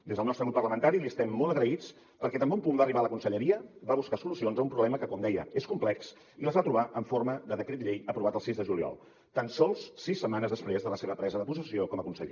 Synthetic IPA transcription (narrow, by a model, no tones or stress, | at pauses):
d̪ezðəlˠnɔst̪ɾəɣɾupːərləmənt̪aɾiliəst̪ɛmːoləɣɾəit͡s | pəɾkɛt̪əmbeumpumbariβaələkunsəʎəɾiəbaβuskasulusionzəumpɾuβlɛməkəkɔmd̪ɛjəeskumplɛks | iləzβat̪ɾuβaʔəɱforməðəðəkɾet̪ʎejəpɾuβat̪əlˠsizðəʒuliɔ̰lˠ | t̪ansɔlˠssisːəmanəzðəspɾezðələseβəpɾɛzəðəpuzəsiokɔməkunsə̰ʎḛ